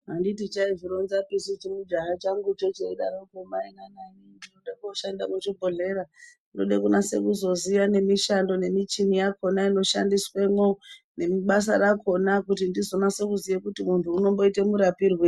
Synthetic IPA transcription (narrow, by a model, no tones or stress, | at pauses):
ɦanditit͡ʃaiviɾonzapisut͡ʃimud͡ʒaɦat͡ʃaŋɡut͡ʃot͡ʃeiɗa̰ɾokomainananindinoɗakuoʃandamut͡ʃibʱoɮe̞ɾa | do̰ɗekunase̞̰kuzo̞ziʋane̞miʃando̞ne̞mit͡ʃinijako̞naino̞ʃandiswemo̞ | ne̞miɓas̬a̰ɾakʰo̞nakutindizo̞nase̞kuzijekutimuntʰuːno̞mbo̞ite̞muɾapirwe